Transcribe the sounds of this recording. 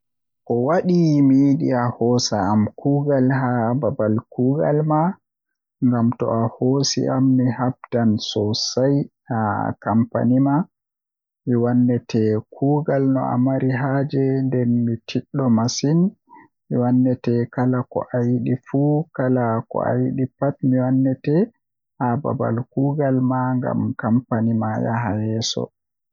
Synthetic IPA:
kɔwaɗimijiɗḭahɔsaːmkʰuːɡalɦababalkuːɡa̰lma | ŋɡamtɔ̰ahosḭʔa̰mːihab̚tansɔsajhakampa̰nima | miwanːɛtʰɛkʰuːɡalnɔ̰a̰maɾiɦad͡ʒɛndɛnmitʰiɗːɔmasin | miwanːɛtɛkalakɔ̰ʔajiɗifukalakɔ̰a̰jiɗipatmiwanːɛtɛ | haba̰ba̰lkuːɡalmaŋɡa̰mkampanimaja̰ɦajɛsɔ̰

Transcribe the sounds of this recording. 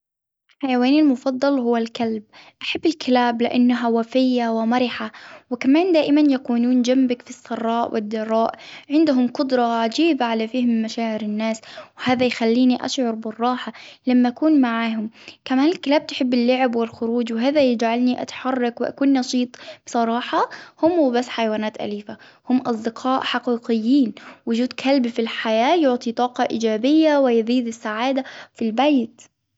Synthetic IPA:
lħajawaːnɪlmʊfɑðˤːɑlhʊwːalkalb̚ʔaħabːɪlkʰɪlaːblɪʔanːaɦawafɪjːawɪmaɾɪħawɪkamaːnd̪aːʔɪmanjakuːnuːnd͡ʒambakfisːɑrˤːɑːʔwɪ̰d̪ːɑrˤːɑːʔʕɪnd̪ɦʊmqʊd̪ɾˤɑʕad͡ʒiːbaʕalafiːhɪmɪmaʃaːʕɪɾɪnːaːswɪhaːðajxalːiːniʔa̰ʃʕʊɾˤbɪrˤːɑːħalamːaʔakuːnmaʕaːɦʊmkamaːnɪlkɪlaːb̚t̪ħɪbːɪlːʊʕɪbwɪlxʊɾuːd͡ʒwɪɦaːðajɪd͡ʒʕalniʔa̰t̪ħɑrˤːɑkwɪʔa̰kuːnːɑʃiːt̪ˤb̥sˤɑɾˤɑːħɑhʊmhubasːħajawaːnaːt̪ʔa̰liːfa | hʊmːʔɑsˤd̪ɪqʰɑːʔħɑqiːqɪjːiːnwʊd͡ʒuːd̪kʰalbfilħajaːjʊʕt̪ˤit̪ˤɑːqɑʔiːd͡ʒaːbɪjːawɪjðiːd̪ɪsːaʕaːd̪afilbajt̪

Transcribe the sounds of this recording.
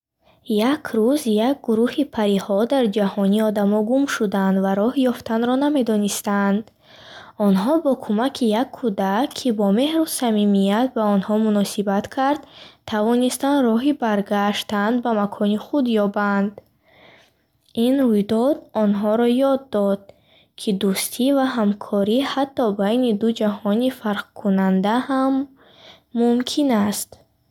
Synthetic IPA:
jakʰɾuzjak̚ɡuɾuhipʰaɾihɔd̪aɾd͡ʒahɔniɔd̪amɔɡumʃud̪and̪vaɾɔhjɔft̪ʰanɾɔname̞d̪ɔnist̪and̪ | ɔnɦɔbɔkʰumakʰijakʰːud̪aːibɔme̞hɾusamimijat̪̚baɔnhɔmunɔsibat̪kʰaɾd̪t̪ʰavɔnist̪anrɔɦibaɾɡaʃt̪and̪bamakʰɔniχud̪jɔband̪ | ʔinɾujd̪ɔd̪ɔnɦɔɾɔjɔd̪ːɔd̪̚ | kʰid̪ust̪ʰivaɦamkʰɔɾihat̪ʰːɔbajnid̪ud͡ʒaɦɔnifaɾqkʰunand̪ahamː | umkʰinast̪

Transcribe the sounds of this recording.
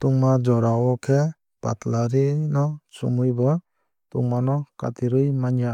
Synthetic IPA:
t̪uŋmad͡ʒɔɾawɔkʰe | b̥a̰t̪laɾinɔsumɯjbɔ | t̪uŋmanɔka̰t̪iɾɯjmaɲija

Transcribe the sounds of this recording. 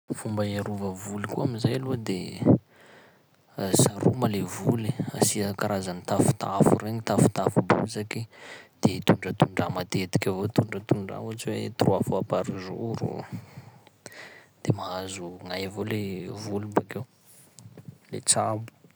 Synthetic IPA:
fumbaaɾuvəvulikuaminzajaluəd̪e | saɾṵmalevulia̰siakaɾazanit̪afu̥t̪ʰa̰fuɾeɲit̪afu̥t̪afubo̰zakid̪̥et̪uɳɖ͡ʐət̪uɳɖ͡ʐamat̪et̪i̥kʲavot̪uɳɖ͡ʐat̪uɳɖ͡ʐa̰ot͡ʃiwet̪uruafoapaɾizuɾṵ | d̪̥emaazuŋajavolevulubakew | lḛt͡sabu̥

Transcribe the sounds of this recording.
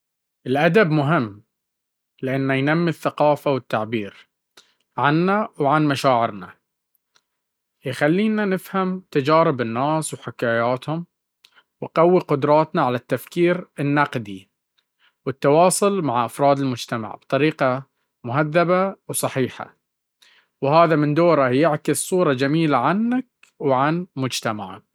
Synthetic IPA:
ʔɪlʔad̪abmʊɦɪmː | lɪʔanːajnamːiθːaqɑːfawɪt̪ːaʕbiːɾ | ʕanːawʕanmaʃaːʕɪɾna̰ | jxalːiːnanɪfhamt̪ad͡ʒaːɾɪbɪnːaːswħɪkaːjaːt̪hʊm | wqawːiqʊd̪ɾˤɑːt̪naʕalat̪ːafkiːɾɪnːɑqd̪i | wɪt̪ːɑwɑːsˤʊlmaʕʔafɾˤɑːd̪ɪlmʊd͡ʒt̪ama̰ʕb̥t̪ˤɑɾiːqɑ | mʊɦaðːabawsˤɑħiːħa̰ | whaːðamɪnd̪oːɾˤajɪʕkɪssˤuːɾˤɑd͡ʒamiːlaʕanːak̚ | wʕanmʊd͡ʒt̪amaʕa̰k̚

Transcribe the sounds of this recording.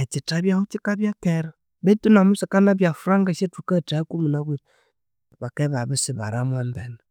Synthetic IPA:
at͡ʃitabiahut͡ʃikabiakɛɾ | betunamusakanabiafɾaŋɡaʃetukatakumunawid | bakɛbabisiba̰ɾamʷambɛn

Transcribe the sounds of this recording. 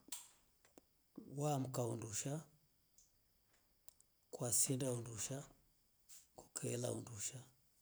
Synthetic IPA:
wam̩kaunduʃa | kwasindaunduʃa | ku̥kʰɛɛla̰ṵnduʃa

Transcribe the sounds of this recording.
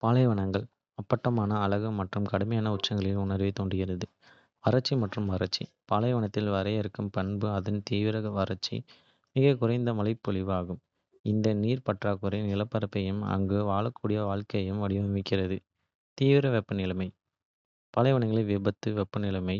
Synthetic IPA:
paːlɐɪʋɐɳɐŋɡɐɭ | ɐpːɐʈːɐmaːnɐːlɐɣɯmɐʈrɯmkɐɽɯmɐjaːnɐʊʈt͡ʃːɐŋɡɐɭɪlʊɳɐɾʋeɪt̪oːɳɖɪjɪɾɐðɯ | ʋɐɾɐt͡ʃːimɐʈrɯmʋɐɾɐt͡ʃːḭ | paːlɐɪʋɐɳɐt̪ːɪlʋɐɾɐjɛɾɯkːɯmpɐɳbɯɐðɪnt̪iːʋɪɾɐɣɐʋɐɾɐt͡ʃːḭ | mɪɣɐkʊɾɐɪnd̪ɐmɐlɐɪpːɔɭɪʋaːɣɯm | ɪnd̪ɐniːɾpɐʈraːkɯɾɐnɪlɐpːɐɾɐpːɐjɯmɐ̰ŋɡɯʋaːɭɐkːuːɽɪjɐʋaːɭkɐjjɯmʋɐɽɪʋɐɐmɪkːɪrɐðɯ | t̪iːʋɪɾɐʋɛpːɐnɪlɐmɐɪ | paːlɐɪʋɐɳɐŋɡɐɭɐʋɪbɐt̪ːɯʋɛpːɐnɪlɐmɐɪ

